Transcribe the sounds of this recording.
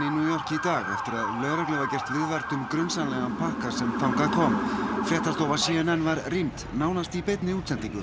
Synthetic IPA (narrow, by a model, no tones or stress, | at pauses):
injuːjɔr̥cɪit̪aːɣɛft̪ɪɾaðlœɣɾaklɛːvacɛr̥t̪vɪðvɛɾt̪ʏmkɾʏnsanlɛɣampʰahkasɛmfawŋkaðkʰɔːmfjɛht̪ast̪oːwvasiːɪnɛnvaɾrimt̪naːwnast̪ipejt̪nɪuːt̪sɛnt̪iŋkʏ